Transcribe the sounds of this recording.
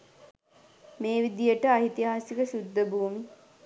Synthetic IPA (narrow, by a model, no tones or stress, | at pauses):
meːʋid̪ijəʈəaɦit̪iɦaːsikəʃud̪ːəbuːmi